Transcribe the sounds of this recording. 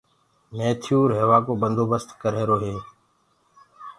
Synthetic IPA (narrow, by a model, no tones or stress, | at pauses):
meːt̪ʰɪjuːɾɦeːʋaːkoːbənd̪ʱoːbəst̪kəɾeːɾoːɦeː